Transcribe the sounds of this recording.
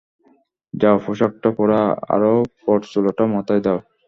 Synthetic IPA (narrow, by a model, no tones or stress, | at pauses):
d͡ʑaofʰoʃak̚ʈapɔɾaa̰ɾopɔʈsuloʈamɔt̪ajd̪aw